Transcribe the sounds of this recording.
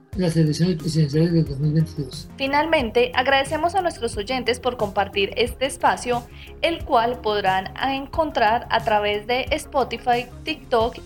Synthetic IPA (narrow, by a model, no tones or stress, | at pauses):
laseleksjo̞nespɾes̬iðens̬jalezðeld̪ozmilβent̪iðosfinalmẽ̞nt̪e̞ʔaɣɾaðe̞se̞mo̞sanwest̪ɾo̞so̞ʝe̞nt̪e̞spo̞ɾko̞mpaɾt̪iɾe̞st̪e̞ːspasjo̞ | e̞lkwalpo̞ðɾaneŋko̞nt̪ɾaɾa̰t̪ɾaβe̞zd̪e̞ʔːspot̪ifajt̪ik̚t̪ok